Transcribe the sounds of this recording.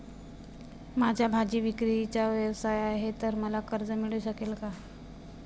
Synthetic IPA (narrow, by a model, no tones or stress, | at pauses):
mad͡ʑʱjabʱad͡ʑiːʋikɾit͡ɕaʋjəʋsajaɦet̪əɾməlakəɾd͡zəmiɭuɕəkelka